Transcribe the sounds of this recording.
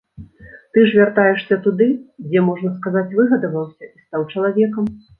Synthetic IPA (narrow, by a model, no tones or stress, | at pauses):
t̪ɨʐvʲart̪ajɛʂsʲɐt̪ud̪ɨd͡zʲɛmɔʐnɐskazat͡sʲvɨɣɐd̪ɐvɐwsʲɐist̪awt͡ʂɐlˠavʲɛkɐm